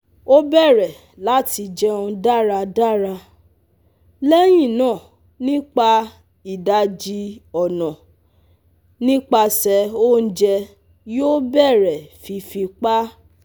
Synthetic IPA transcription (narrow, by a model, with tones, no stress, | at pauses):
o˦bɛ˦˨ɾɛ˨ | la˨˦ti˧d͡ʒɛ˦˧ũ˧da˦˨ɾa˧da˦˨ɾa˧ | lɛ˦j̃ĩ˦˨nãː˦˨ | nĩ˦k͡pa˧ | i˨da˧d͡ʒi˧ɔ˨nɔ̃˨ | nĩ˦k͡pa˧sɛ˧o˦n̩˦d͡ʒɛ˧ | jo˦bɛ˦˨ɾɛ˨fi˧fi˧k͡pa˦